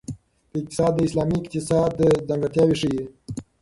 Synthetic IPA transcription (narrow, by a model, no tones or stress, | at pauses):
p̪əɪk̚t̪ɪ̥sɑːd̪ːəɪslɑmikt̪ɪsɑd̪əd̪aŋɡat̪jɑwiʂije